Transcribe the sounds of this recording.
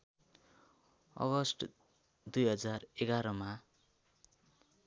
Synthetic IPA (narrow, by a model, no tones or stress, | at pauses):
ʌ̰ɡʌsʈ | d̪ujɦʌd͡zareɡaɾʌma